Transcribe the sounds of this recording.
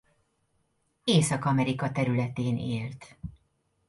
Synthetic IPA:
eːsɒkɒmɛɾikɒt̪ɛɾylɛt̪eːnʔeːlt̪

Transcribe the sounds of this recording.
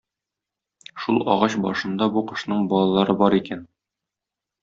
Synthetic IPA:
ʃulˠɒ̰ʁɑɕbɒ̰ʃɤ̆nd̪ɑbuqɤ̆ʃnɤɴbɒlˠɑlˠɑɾɤbɒɾikæn

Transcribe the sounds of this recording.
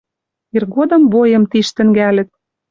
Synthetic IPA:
irɣod̪ɤ̆mbojɤ̆mt̪iʃt̪ɘ̆ŋɡælɘ̆t̪̚

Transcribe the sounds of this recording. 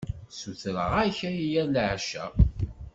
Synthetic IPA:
suθɾəʁæçæijælʕʃæ̰

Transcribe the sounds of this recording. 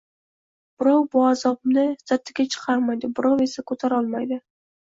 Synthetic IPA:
b̥ɪɾɑwbʊazɒbnɪz̥at̪ʰːɪɡʲat͡ʃʰɨ̥qʰɑɾmajd̪ɪbɪɾɒwe̞sakʰɵt̪ʰaɾɒlˠmajd̪ɪ

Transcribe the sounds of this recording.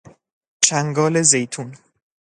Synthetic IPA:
t͡ʃʰæŋɡɒːle̞ze̞jt̪ʰun

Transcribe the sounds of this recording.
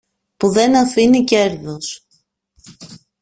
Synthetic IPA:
puðe̞nɐfinice̞ɾðos

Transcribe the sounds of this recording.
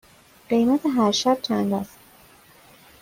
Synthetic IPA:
ɢ̥e̞jmæt̪ʰeɦæɾʃæb̥̚t͡ʃʰænd̪æst̪

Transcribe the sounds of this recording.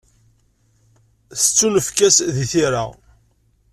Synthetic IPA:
θə̥t͡sːunəfkæsðiθiɾa̰

